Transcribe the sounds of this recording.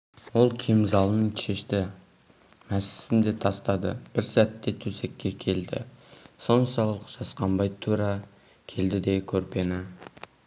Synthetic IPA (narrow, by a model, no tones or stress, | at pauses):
wo̞lˠkʲʰemzɑlˠənəɴʃe̞ʃt̪ɪ | mæsɪ̥sɪnd̪e̞t̪ʰɑst̪ɑd̪ə̰b̥ɪɾsæt̪ːe̞t̪ʰɵse̞kʲːe̞kʲʰe̞ld̪ɪ̰so̞nsɑlˠəqʒ̥ɑsqɑmbɑjt̪ʰuɾɑ | kʲʰe̞ld̪ɪd̪e̞kʲʰɵɾpe̞na